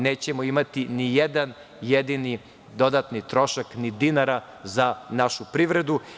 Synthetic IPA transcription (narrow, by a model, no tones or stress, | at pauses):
neːt͡ɕe̞moimat̪inijed̪an | jed̪ini | d̪o̞d̪at̪nit̪ɾo̞ʃaknid̪inaɾa | zanaʃupɾiʋɾe̞d̪u